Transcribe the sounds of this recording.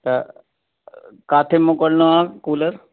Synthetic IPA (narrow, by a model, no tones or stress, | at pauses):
t̪ə | kaːt̪ʰemokəɽnoãːkuːləɾ